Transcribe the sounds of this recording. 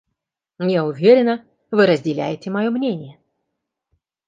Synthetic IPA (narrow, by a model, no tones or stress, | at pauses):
jaʊvʲeɾʲɪnə | vɨɾəzʲdʲɪlʲæ̰jɪtʲɪmɐjomnʲenʲɪjə